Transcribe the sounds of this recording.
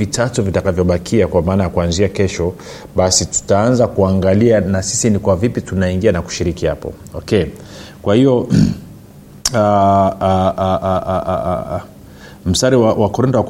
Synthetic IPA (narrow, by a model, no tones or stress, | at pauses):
vitʰatuvitakavjɔɓakʰiakwamaːnajakuanziakɛʃɔ | ɓasitu̥taanzakuaŋɡalianasisinikwavipitunaiŋɡianaku̥ʃiɾikiha̰pɔ̰ɔkɛ | kwahiɔ | a | m̩staɾiwawakɔɾɛntawa